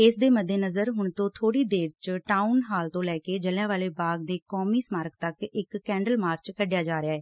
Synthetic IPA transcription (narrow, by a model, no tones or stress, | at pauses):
ɪsd̪eːməd̪ːeːnəzəɾɦʊɳt̪õːt̪ʰoːɽiːd̪eːɾt͡ʃʈaːunɦaːlt̪õːlɛːkeːd͡ʒəljãːʋaːleːbaːɡ̚d̪eːkɔːmiːsmaːɾk̚t̪əkɪkːɛ̃ːɳɖəlmaːɾt͡ʃkəɖjaːd͡ʒaːɾɪjaːɦɛː